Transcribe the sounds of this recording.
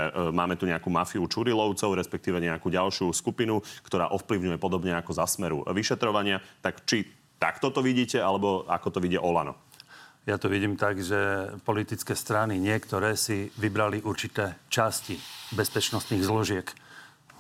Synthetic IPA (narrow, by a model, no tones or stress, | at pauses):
maːmɛt̪uɲɛakuːmafiut͡ʃuɾilɔʊt͡sɔʊɾɛspɛk̚t̪iːʋɛɲɛakuːɟalʃɪuskupinukt̪ɔɾa̰ːʔɔfpliʊɲujɛpɔd̪ɔbɲɛakɔzasmɛɾṵʋiʃɛt̪ɾɔʋaɲɪat̪akt͡ʃi | t̪a̰kt̪ɔt̪ɔʋiɟiːcɛalɛbɔa̰kɔt̪ɔʋiɟɛ̰ʔɔlanɔ̰jat̪ɔʋiɟiːmt̪aɡʒɛpɔlit̪it͡skɛːst̪ɾaniɲɪɛkt̪ɔɾɛːsiʋibɾaliʔuɾt͡ʃit̪ɛːt͡ʃascibɛspɛt͡ʃnɔst̪niːɣzlɔʒɪɛk